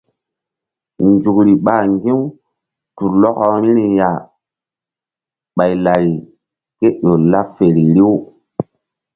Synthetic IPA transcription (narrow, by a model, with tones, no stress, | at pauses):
nd͡ʒu˨kɾi˨ɓa˨ŋɡi˦ | tu˨ɾlɔ˦ko˦ɾi˦ɾi˨ja˨ | ɓa˨jla˨ɾi˨ | ke˦ɗo˨la˦fe˨ɾi˨ɾi˦w